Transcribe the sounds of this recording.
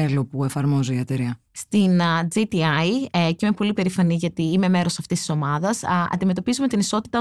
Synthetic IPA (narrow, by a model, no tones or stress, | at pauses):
elopue̞fɐɾmo̞ziiɐt̪eɾiɐ | st̪ind͡zit̪iɐjceime̞po̞lipe̞ɾifɐniʝɐt̪iːme̞me̞ɾo̞sɐft̪ist̪i̥so̞mɐðɐsɐ̰nd̪ime̞t̪o̞pizume̞t̪iniso̞t̪i̥t̪ɐ